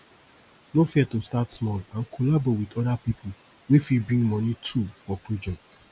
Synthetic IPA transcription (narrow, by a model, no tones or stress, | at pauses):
nofiɛtostatsmɔlãnkʰolabowidɔdapipʰʊ | wefibɹĩŋmɔ̃nitʰufɔpɹɔd͡ʒɛk̚t